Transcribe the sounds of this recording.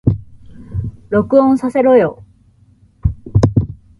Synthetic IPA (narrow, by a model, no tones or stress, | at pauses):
ɾo̞kɯ̟õsase̞ɾojo